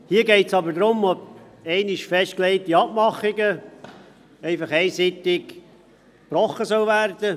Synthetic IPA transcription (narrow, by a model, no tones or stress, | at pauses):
hiːəɡɛɪtsɑbəɾd̪ɾʊmɔb | ɛɪnɪʃfɛʃtklɛɪtiɑb̚mɑχɪɡə | ɛɪfɑχɛɪsɪt̪ːɪk | pɾɔχːəsœwvæɾd̪ə